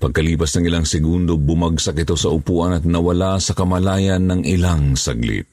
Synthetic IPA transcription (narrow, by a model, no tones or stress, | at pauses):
pɐɡ̚kɐliːpɐsnɐŋɪlaŋsɛɡund̪o̞bʊmaɡsɐkɪt̪o̞sɐʔʊpuːʔɐnɐt̪̚nɐwɐlasɐkɐmɐlaːjɐnːɐŋʔɪlaŋsɐ̰ɡlɪ̰t̪̚